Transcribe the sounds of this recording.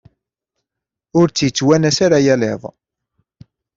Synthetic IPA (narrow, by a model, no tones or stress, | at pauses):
ʊɾt͡sːjət͡sːwænæsaɾajæleðˤ